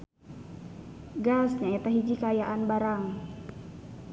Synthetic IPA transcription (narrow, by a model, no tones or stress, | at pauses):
ɡasɲaɛt̪aɦid͡ʒikajaʔanbaɾaŋ